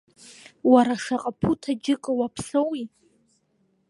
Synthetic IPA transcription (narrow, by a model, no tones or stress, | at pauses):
waɾaʂaqʼapʰutʰad͡ʒɪkʼɨwapʰsowi